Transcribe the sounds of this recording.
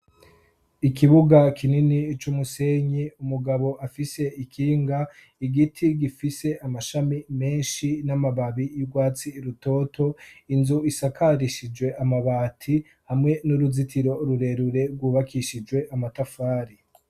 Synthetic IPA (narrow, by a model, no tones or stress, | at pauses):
ikiβuɡakʰininit͡ʃumuseɲiumuɡaβo̞ʔafise̞ikʰiːŋɡa | iɡitʰiɡifise̞ʔamaʃamime̞ːnʃinamaβaβijuɡwaːt͡siːɾuto̞ːtʰo̞inzuisakʰaɾiʃid͡ʒɡwe̞ʔamaβaːtʰi | hamŋe̞nuɾuzitʰiɾo̞ɾuɾe̞ɾuɾe̞ɾɡwuβakʰiʃid͡ʒwe̞ʔamatafaːɾi